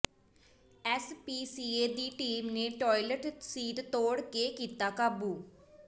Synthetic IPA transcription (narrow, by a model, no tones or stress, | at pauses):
ɛːspiːsiːeːd̪iːʈiːmneːʈɔːiləʈsiːʈt̪oːɽkekiːt̪aːkaːbuː